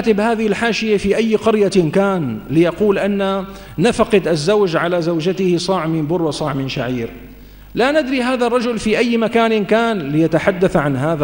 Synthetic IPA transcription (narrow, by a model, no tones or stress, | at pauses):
t̪ɪbhaːðɪhɪlħaːʃɪjafiʔajːqɑɾjakaːnlɪjɑquːlʔanːa | nafaqɪd̪ʔazːawd͡ʒʕalazawd͡ʒat̪ɪhɪsˤɑʕmɪnbʊrˤwɑsˤɑʕmɪnʃaʕiːɾ | lanɪd̪ɾiɦaːðarˤːɑd͡ʒʊlfiʔajːmakaːnɪnkaːnlɪjat̪aħad̪ːaθʕanhaːða